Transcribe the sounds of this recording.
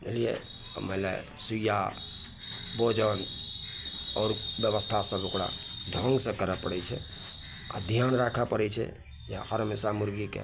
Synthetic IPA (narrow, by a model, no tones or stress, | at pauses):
elijḛ | melḛsuja | bod͡ʒən | ɔɾbjəβəst̪ʰasəbokɽa̰ɖʱə̃ŋɡsẽkəɾəpəɽɛt͡ʃʰɛ̰ | a̰d̪ʱijanɾakʰapəɾɛt͡ʃʰɛ̰ | d͡ʒahəɾmesamuɾɡikḛ